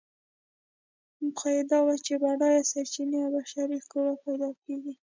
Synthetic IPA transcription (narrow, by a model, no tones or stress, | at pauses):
mʊxajɪd̪ɑwat͡ʃebaɽɑjasaɾt͡ʃineawbaʃaɾikoɾapajd̪ɑkeɡi